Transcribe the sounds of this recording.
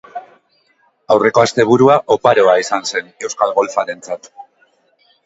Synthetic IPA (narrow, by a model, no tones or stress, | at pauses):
awre̞ko̞ast̪e̞β̞uɾuaʔopaɾo̞aisanse̞ne̞wskalɣo̞lfaɾe̞nt͡sat̪